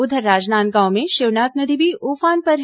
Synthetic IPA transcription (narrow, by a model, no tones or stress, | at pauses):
ʊd̪ʱəɾːaːd͡ʒnaːnɡaõmẽʃeʋnaːt̪nɐd̪ʱibʱioːfaːnpɐɾ